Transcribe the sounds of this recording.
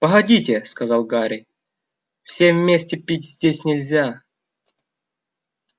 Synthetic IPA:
pəɣɐdʲitʲɪskɐzɑlˠɡaɾʲɪ | fsʲevʲmʲesʲtʲɪpʲitʲzʲdʲesʲnʲɪlʲzʲa

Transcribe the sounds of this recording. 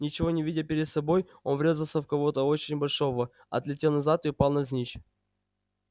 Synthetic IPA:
nʲɪt͡ɕɪvo̞nʲɪvʲidʲɪpʲɪɾʲɪt̪sɐbo̞j | o̞nvɾʲe̞zəlˠsʲəfkɐvo̞t̪əo̞t͡ɕɪnʲbɐlʲʂo̞və | ɐ̰t̪lʲɪtʲe̞lˠnɐzat̪ɨʊpɑlˠnɐzʲnʲit͡ɕ

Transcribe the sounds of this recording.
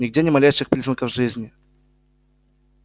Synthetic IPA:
nʲɪɡ̚dʲenʲɪmɐlʲejʂɨxpɾʲiznəkəvʐɨzʲnʲɪ

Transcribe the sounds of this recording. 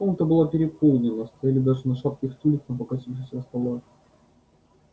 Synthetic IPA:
punkt̪əbɨlˠapʲɪɾʲɪpolˠnʲɪlˠəst̪ɐjalʲɪd̪aʐɨnɐʂat̪̚kʲɪxt̪ulʲɪk̪nəpəkɐsʲifʂəsʲvəst̪ɐlˠoj

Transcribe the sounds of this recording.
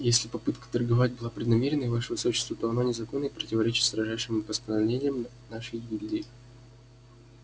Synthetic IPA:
jesʲlʲɪpɐpɨt̪kə̥t̪ərɡɐvatʲbɨlˠapɾʲɪd̪nɐmʲeɾʲɪnəjvaʂəvəsoɕːɪ̥st̪vət̪oɐno̞nʲɪzɐko̞nːəjpɾətʲɪvɐɾʲet͡ɕɪt̪sɾɐʐaʂɪmpəst̪ənɐvlʲenʲɪjəm | naʂɨjʲɡʲɪdʲdʲej

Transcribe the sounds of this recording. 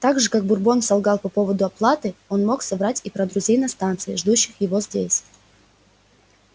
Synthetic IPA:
t̪aɡʐɨkak̚bʊrbo̞nsɐlˠɡɑlˠpɐpo̞vəd̪ʊɐplˠat̪ɨo̞nmo̞ksɐbɾatʲipɾɐd̪ɾʊzʲejnɐst̪ant̪sɨɪʐd̪uɕːɪxjɪvo̞zʲdʲesʲ

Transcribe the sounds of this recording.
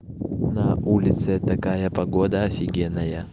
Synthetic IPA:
nɐʔulʲɪt̪sɨt̪ɐkajɐpɐɡod̪ɐɐfʲɪɡʲenːɐjɐ

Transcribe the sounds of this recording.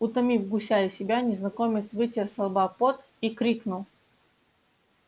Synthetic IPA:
ʊt̪ɐmʲifɡʊsʲajɪsʲɪbʲanʲɪznɐkomʲɪt̪svɨtʲɪrsɐlˠbapot̪ | ikɾʲiknʊlˠ

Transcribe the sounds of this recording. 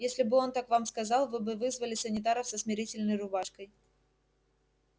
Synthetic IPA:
jesʲlʲɪbɨo̞nt̪akvamskɐzɑlˠvɨbɨvɨzvəlʲɪsənʲɪt̪̬aɾəfsəsmʲɪɾʲitʲɪlʲnəjrʊbaʂkəj

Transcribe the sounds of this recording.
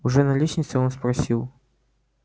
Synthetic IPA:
ʊʐɛnɐlʲiɕʲnʲɪt̪sɨonspɾɐsʲilˠ

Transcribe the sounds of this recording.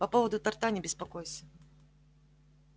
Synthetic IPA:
papɔvɐd̪ʊt̪art̪anʲɪbʲɪspakɔjsʲɐ

